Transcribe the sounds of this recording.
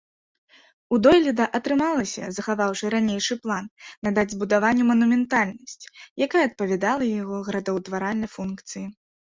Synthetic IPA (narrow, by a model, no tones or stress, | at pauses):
ud̪ɔjlʲid̪ɐʔɐt̪ɾɨmalˠɐsʲɐ̰zɐxavawʂɨɾanʲejʂɨplˠanːɐd̪ad͡zʲbud̪avanʲːumɐnumʲɛnt̪alʲnɐsʲt͡sʲjakajɐɐt̪̚pɐvʲad̪alˠɐjaɣɔɣɐɾɐd̪ɐwt̪vaɾalʲnɐjfunkt̪sɨji